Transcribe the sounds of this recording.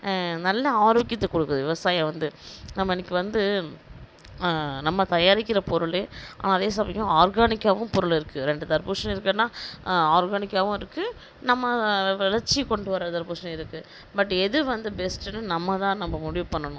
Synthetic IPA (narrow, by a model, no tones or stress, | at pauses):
nɐlːɐaːɾokːɪt̪ːɐkɔɽɯkːɯðɯʋɪʋɐsaːjɐ̃ʋɐnd̪ɯnɐmːɐɪnːɪkːɯʋɐnd̪ɯ | nɐmːɐt̪ɐjaːɾɪkːɪɾɐpɔɾɯɭea̰ːnaːɐðeːsɐmɐjʊ̃aːɾɡaːnɪkːaːʋɯ̃mpɔɾɯɭɪɾɯkːɯɾɛɳɖɯt̪ɐɾpuːʂɐnɪɾɯkːɐnːãːaːɾɡaːnɪkːaːʋʊ̃ɪɾɯkːɯ | nɐmːɐʋɪlɐɾt͡ʃːikɔɳɖɯʋɐɾɐd̪ɐɾbuːʂɐnɐ̃ɪɾɯkːɯ | bɐʈːɛðɯʋɐnd̪ɯbɛsʈɛnːɯnɐmːɐt̪ãːnɐmːɐmʊɽɪʋɯpɐɳːɐnʊ̃